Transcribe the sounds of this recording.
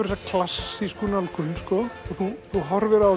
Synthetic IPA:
ɪɾsakʰlasːiskunalkʰʏnskɔɔθuθuɦɔɾvɛɾaa

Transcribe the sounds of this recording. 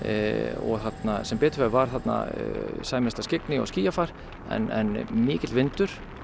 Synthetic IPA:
ɔ̰ɣθat̪nasɛmpɛːt̪ʏvavaɾ̥θat̪na̰saːjmɛst̪ascɪknɪɔ̰sciːjafaɾ̥ | ɛ̰nɛ̰nmɪːcɪt̪vɪnt̪ʏɾ̥

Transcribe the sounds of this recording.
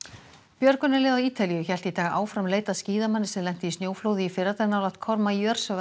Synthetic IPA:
pjœɾkʏnːɪlɛːðawiːt̪alijʏçɛl̥t̪it̪ʰaːɣaʔaːwfɾamleːjt̪asciːðamanːɪsɛnlɛn̥t̪ɪisnjoːwflowðɪifɪɾat̪aːɾnawlaht̪̚kʰɔɾmaijœɾ̥sva

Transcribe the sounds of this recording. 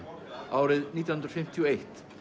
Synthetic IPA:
aːwɾɪðniːt̪janʏnd̪ɾfɪm̥t̪ʰiɔejht̪

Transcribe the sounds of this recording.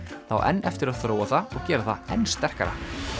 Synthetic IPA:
θa̰wʔɛ̰nːɛft̪ɪɾaðθɾoːwaθaɔɣcɛːɾaθaɛnst̪ɛr̥ka̰ɾa̰

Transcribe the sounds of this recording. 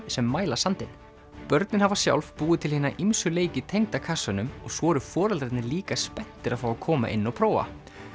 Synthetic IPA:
sɛmːaːjlasant̪ɪn | pœɾt̪nɪnhavasja̰wlv̥puːðɪt̪ʰɪlhiːnaʔimsʏleːjcɪt̪ʰejŋt̪akʰasʏnʏmɔɣsvɔːɾʏfɔːɾalt̪ɾɪt̪nɪliːkaspɛn̥t̪ɪɾaðfaːwakʰɔːma̰ʔɪ̰nːɔpʰɾoːwva̰

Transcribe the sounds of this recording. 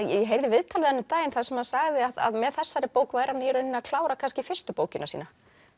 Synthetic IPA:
jɛjɛɦejɾðɪvɪðt̪ʰalɪhanʏt̪aːjɪnθaðsɛmhaðsaɣðɪaða̰ðmɛðθɛsːaɾɛpoːwkvaːjɾanɪɛɾœnːɪnaðkʰlaːwɾakʰanscɪfɪr̥st̪ʏpoːwcɪnasḭːna

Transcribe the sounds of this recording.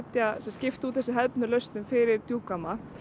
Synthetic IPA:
t̪jasɛmscɪft̪uːt̪θɛsɪɦɛðpnʏlœɥst̪nʏmfɪɾɪɾ̥t̪juːkama

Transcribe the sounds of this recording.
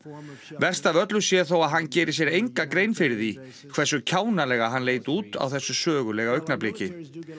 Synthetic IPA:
vɛr̥st̪avœt̪lʏsjɛθowaðɦanːcɛːɾɪsjɛɾejŋkakɾeːjnfɪɾɪði | kʰvɛrsʏcʰaːwnalɛːɣaɦanleːjt̪uːt̪a̰wθɛsːʏsœːɣʏlɛɣaœɥhknapleːcɪ

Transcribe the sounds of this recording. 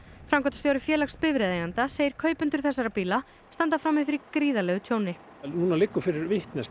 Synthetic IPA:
fɾamkʰɔt̪ḁst̪jowɾɪfjɛːlaxspɪvɾɛðɛɣant̪aseːjɪɾ̥kʰœːɥpʏnt̪ʏɾ̥θɛsːaɾapiːla | st̪ant̪afɾaːmːɪfɪɾikɾiːðalɛːɣʏt̪ʰjoːwnɪ | nuːnalɪkːʏfɪɾɪɾvɪht̪nɛs

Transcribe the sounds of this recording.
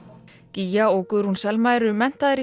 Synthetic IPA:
cijaowkʏðɾunsɛlmaːjɾʏmɛn̥t̪aðɪɾi

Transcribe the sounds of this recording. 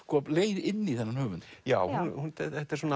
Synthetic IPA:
kʰɔːpleːjðɪnːiθɛnːanhœːvʏnt̪jaːwhunhunɛɛt̪aɾs̬ɔn

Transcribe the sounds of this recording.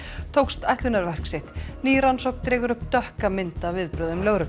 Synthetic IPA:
t̪ʰowkst̪ajht̪lʏnaɾvɛr̥ksɪht̪niːɾansowk̚nt̪ɾɛːɣʏɾʏhpt̪œhkamɪnt̪avɪðpɾœðʏmlœɣɾʏ

